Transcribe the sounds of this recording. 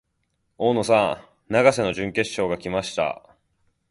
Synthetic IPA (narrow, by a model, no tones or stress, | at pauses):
oːno̞sã | naɡase̞no̞ʑɨ̃ŋke̞ɕːo̞ːɡakʲimaɕi̥t̪a̰